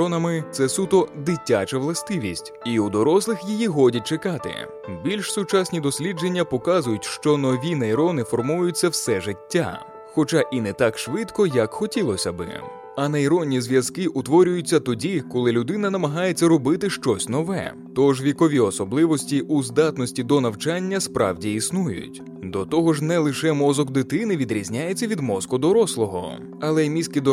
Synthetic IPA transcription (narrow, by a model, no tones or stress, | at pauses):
ɔnɐmɪt̪sɛsut̪ɔd̪ɪtʲːat͡ʃɐʋlˠɐst̪ɪʋʲisʲtʲiud̪ɔɾɔslˠɪxjijiɦɔdʲɐt̚ʲt͡ʃekɑt̪ɪ̰ | bʲilʲʃsʊt͡ʃasʲnʲid̪ɔsʲlʲid͡ʒe̞nʲːɐpɔkazʊjʊtʲʃt͡ʃɔnɔʋʲinɐiɾɔnɪfɔrmuʋjʊt͡sʲːɐwsɛʒɪtʲːa̰ | xɔt͡ʃaʔinɛt̪akʃʋɪt̪kɔjɐkxɔtʲilˠɔsʲɐbɪ̰ | ɐnɐiɾɔnʲːizʲʋʲjɐzkɪʔʊt̪ʋɔɾʲʊjʊt͡sʲːɐt̪ɔdʲikɔlˠɪlʲʊd̪ɪnɐnɐmɐɦɑjet͡sʲːɐɾɔbɪt̪ɪʃt͡ʃɔsʲnɔʋɛ̰ | t̪ɔʒʋʲikɔʋʲiɔsɔblˠɪʋɔsʲtʲiʔuzd̪ɑt̪nɔsʲtʲid̪ɔnɐwt͡ʃanʲːɐspɾɑ̰wdʲiisnujʊ̰tʲ | d̪ɔt̪ɔɦɔʒnɛlˠɪʃɛmɔzɔɡd̪ɪt̪ɪnɪʋʲid̪ɾʲizʲnʲajet͡sʲːɐʋʲid̪mɔzkʊd̪ɔɾɔslˠɔɦɔ̰ | ɐlˠɛmʲisʲkʲid̪ɔ